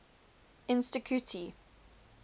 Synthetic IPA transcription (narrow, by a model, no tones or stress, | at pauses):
ɪ̃nstɪkʰjutʰi